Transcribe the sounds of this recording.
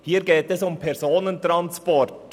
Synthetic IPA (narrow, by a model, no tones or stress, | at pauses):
hiːɾɡeːtɛsʊmpʰɛɾzoːnəntʁɑnspɔɹt